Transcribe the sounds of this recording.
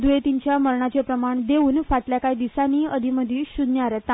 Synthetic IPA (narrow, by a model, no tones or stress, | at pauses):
d̪ujet̪iɲt͡ɕjaməɾɳat͡ɕepɾəmaɳd̪euːnfaʈljakaid̪isaniːəd̪ʱiməd̪ʱiːɕud̪njaɾet̪ː